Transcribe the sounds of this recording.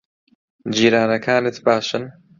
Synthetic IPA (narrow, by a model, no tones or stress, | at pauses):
d͡ʒiːɾaːnɐkʰaːnɨt̪baːʃɨn